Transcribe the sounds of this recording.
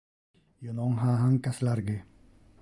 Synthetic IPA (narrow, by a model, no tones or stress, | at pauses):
jonoŋɦaːɦaŋkaslaɾɡɪ